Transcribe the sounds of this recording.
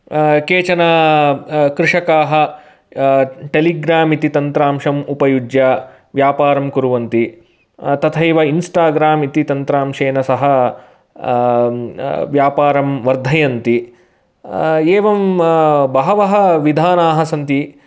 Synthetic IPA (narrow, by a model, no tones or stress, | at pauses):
keːt͡ʃɐnɐ | kɾɪʂɐkaːɦɐ̆ | ʈeliɡɾaːmit̪it̪ɐnt̪ɾaːmʂɐmupɐjud͡ʒja | ʋjaːpaːɾɐmkuɾuʋɐnt̪i | t̪ɐt̪ʰɐjʋɐinsʈaːɡɾaːmit̪it̪ɐnt̪ɾaːmʂeːnɐsɐɦɐ | ʋjaːpaːɾɐmʋɐɾd̪ʱɐjɐnt̪i | eːʋɐmbɐɦɐʋɐɦɐ̆ʋid̪ʱaːnaːɦɐsɐnt̪i